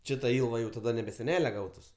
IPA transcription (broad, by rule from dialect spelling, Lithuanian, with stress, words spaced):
ˈt͡ʃʲɪ tɐ ˈɪlˠʋɐ ˈjɛʊ tɐˈdɐ nʲɛbʲɛ sʲɛˈnʲæːlʲɛ ˈɡɐʊtʊs